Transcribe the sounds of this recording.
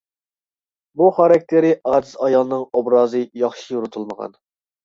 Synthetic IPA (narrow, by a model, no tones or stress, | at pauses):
buχɑɾɑk̚ʲt̪ʰeɾɪʔɑːd̪ɨzɑjɑlˠɨnɨŋobɾɑːzɨjɑχʃijuɾut̪ʰulˠməʁɑ̰n